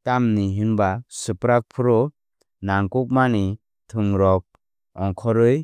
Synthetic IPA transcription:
tamniɦinbasɯpɾak̚pʰɯɾɔ | naŋkuk̚mani | tʰɯŋɾɔk̚ | ɔŋkʰɔɾɯj

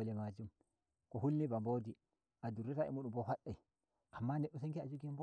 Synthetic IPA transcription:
lɛmad͡ʒum | kɔhulːnibambodi | ʔaduɾːitaɛ̰muɗumbɔhaɗːaj | ʔamːanɛɗːus̬eŋkiad͡ʒuɡimb

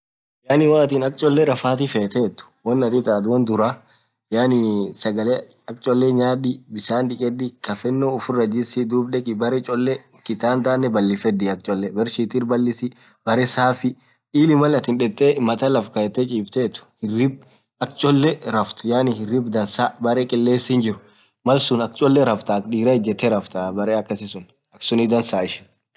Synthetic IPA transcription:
jaːnɪwaːt̪iːnɐk̚t͡ʃʼɔlːɛɾɐfaːt̪ifeːt̪eːt̪ːʊ̥wɐnːɐt̪it̪aːd̪ʊwɐnd̪ʊɾa | jaːnɪsɐɡɐleː | ɐk̚t͡ʃʼɔlːɛɲaːd̪ɪbɪsaːnᶑɪkʼɛd̪ɪkɐfɛnːoʊfʊrːɐd͡ʒɪsɪd̪uːbᶑɛkʼɪbɐɾɛt͡ʃʼɔlːɛ | kɪt̪aːnd̪aːnːɛbɐlːɪfɛd̪iɐk̚t͡ʃʼɔlːɛbɛɾsiːt̪iːɾbɐlːɪsɪ | b̥ɐɾɛsaːfɪ | iːlɪmɐlɐt̪ɪnᶑɛt̪ʼːemɐt̪ɐlɐfkɐɛt̪ːɛt͡ʃʼiːft̪eːt̪ʊ̥hɪrːɪb̚ | ɐkt͡ʃʼɔlːɛɾɐft̪ʊ̥jaːnɪhɪrɪbd̪ɐnsaːbɐɾɛkʼɪlːeːsɪnd͡ʒɪɾʊ | mɐlsʊnɐkt͡ʃʼɔlːɛɾɐft̪akᶑiːɾɐɪd͡ʒːɛt̪ːɛɾɐft̪aːbɐɾeɐkːɐsɪsʊn | ɐksʊnɪd̪ɐnsaːɪʃɪ̥

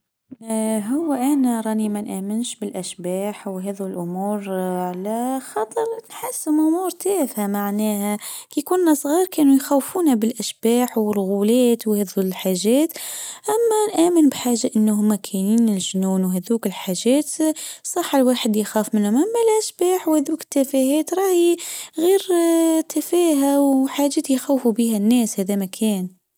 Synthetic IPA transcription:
ɦʊwːæʔæːnæɾˤɑːnimænʔæːmɪnʃbɪlʔæʃbaːħwɦæːðulʔʊmuːɾʕalæxɑt̪ˤɑɾˤnħasːɪmʔʊmuːɾt̪æːfamaʕnæːhækikʊnːæsˤɣiːɾˤkɛːnujxæwfuːnabɪlʔaʃbaːħwɪrˤɣulɛːt̪whæːðulħaːʒɛːt̪ʔæmːænʔæːmɪnbħaːʒaʔɪnːhʊmːækʰæniːnɪlʒnuːnwɦæðuːkɪlħaʒɛːt̪sˤɑħːɪlwaːħəd̪jxaːfmɪnhʊmʔamːælʔæʃbaːħwhæðuːkɪ̥t̪ːæfæhɛːt̪ɾˤɑːhiɣiːɾt̪ʰafæːɦæwħaːʒæːt̪jxæwfubihænːɛːshæːðæmækʰæːn

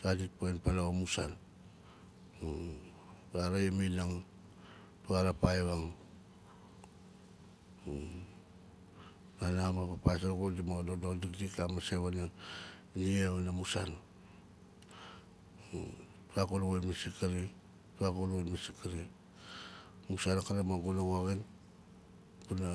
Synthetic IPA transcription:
tadit̚poenpalaomusan | taɾajeminaŋ | tuaɾapaeβaŋ | nanamapapajs̬aɾkodimodododikdikamaseβanan | niaβanamusan | tuakuluɣonmasikaɾi | tuakulonmasikaɾi | musanakaɾamaɡulaɡoaɣin | puna

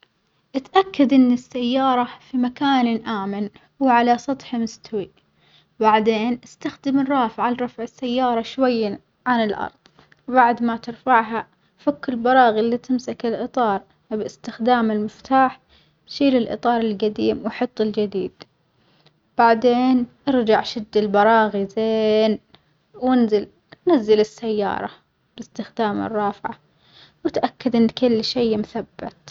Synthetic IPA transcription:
ʔɪt̪ʔakːad̪ʔɪnːɪsːajːɑːɾˤɑfimakaːnʔaːmɪn | wʕalasˤɑt̪ˤħmʊst̪awi | baʕd̪eːnʔɪst̪axd̪ɪmɪnɾˤɑːfʕalɾˤɑfʕɪsːajːɑːɾˤɑʃwajːa | ʕanɪlʔɑ̰ɾˤðˤ | baʕd̪mat̪ɪɾfaʕɦa | fakːɪlbɑɾˤɑːɣɪlːit̪ɪmsakɪlʔɨt̪ˤɑːɾˤ | bɪst̪ɪxd̪aːmɪlmɪft̪aːħ | bʃiːlɪlʔɨ̰t̪ˤɑːɾˤɪlɡad̪iːmwħɑt̪ˤːɪld͡ʒɪd̪iːd̪̥ | b̥aʕd̪eːnʔɪɾd͡ʒaʕʃɪd̪ːɪlbɑɾˤɑːɣizeːn | wɪnzɪl | nazːɪlɪsːajːɑ̰ːɾˤɑ̰ | b̥ɪst̪ɪxd̪aːmɪ̰rˤːɑːfʕa̰ | wɪt̪ʔakːad̪ʔɪnːkɪlːʃejmθabːɪt̪

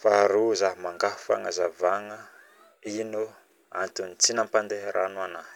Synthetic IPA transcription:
faɾuzaɦmaŋɡafu̥fa̰ŋəzavaŋə | inu | a̰nt̪unit͡sinampand̪eɦɾʔanuana

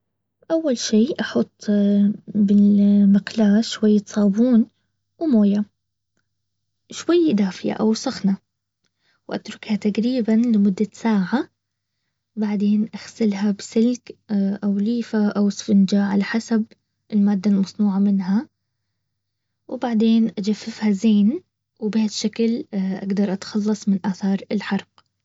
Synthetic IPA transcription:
ʔawːalʃiːʔɑħʊt̪ˤː | bɪlmɪqlaːʃwajːat̪sˤɑːbuːn | wɪmoːja | ʃwajːd̪aːfɪja̰ʔawsˤɑxna | wʔa̰t̪ɾʊkhat̪aqɾiːbanlɪmʊd̪ːasaːʕa | baʕd̪eːnʔaxsɪlɦabsɪlkʔawliːfaʔawɪsfɪnd͡ʒaʕalaħasab | ʔɪlmaːd̪ːalmɑsˤnuːʕamɪnɦa | wbaʕd̪eːnʔad͡ʒafːɪfhazeːn | wɪbhaːd̪ʃːaklʔa̰ɡd̪ɑɾˤʔat̪xɑlːɑsˤmɪnʔaːθɑːɾˤɪlħɑɾˤq

